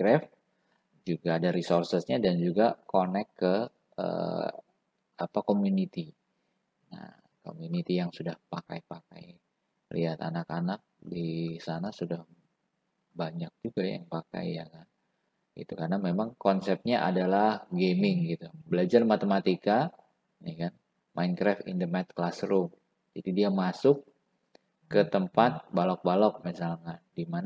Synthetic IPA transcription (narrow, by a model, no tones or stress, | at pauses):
kɾɛf | d͡ʒuɡadaɾisorsəsɲadand͡ʒuɡakonɛkːə | ə̰ | apakomunit̪i | na̰h | ko̰munit̪ijaŋsudahpaka̰jpaka̰j | lḭɦat̪a̰nakanak̚disanasudah | baɲak̚d͡ʒuɡajja̰ŋpaka̰jja̰kan | ɡḭt̪ukarnamemaŋkɔnsɛp̚ɲaʔa̰dalahɡemɪŋɡit̪ubəlad͡ʒarmat̪emat̪ika | nihkan | mʔajnkɾaft̪ḭndəmɛt̪̚klasɾʊm | d͡ʒadidiamasʊkː | ət̪əmpat̪̚balɔk̚balɔk̚misalkadimana